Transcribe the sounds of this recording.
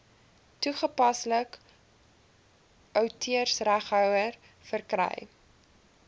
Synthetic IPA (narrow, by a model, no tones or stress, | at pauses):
tuχəpɐslək | ʔœwtʰiərsræχɦœwər | fərkrɛ̰j